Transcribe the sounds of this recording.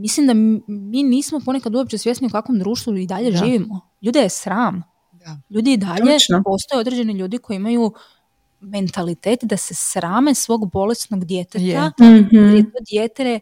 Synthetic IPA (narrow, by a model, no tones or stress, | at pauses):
mislimd̪amiːniːsmo̞po̞nekad̪uopt͡ɕe̞sje̞sniukakʋo̞md̪ɾuːʃt̪ʋuid̪aʎe̞ʒiːʋimo | ʎuːd̪ajesɾaːm | ʎuːd̪iːd̪aʎepo̞st̪o̞jeo̞d̪ɾe̞d͡ʑe̞niʎuːd̪iko̞jiimaju | me̞nt̪alit̪eːt̪d̪asesɾaːmesʋo̞ːɡbo̞lest̪noɡd̪jet̪et̪aiɾjet̪o̞ːd̪jet̪eɾe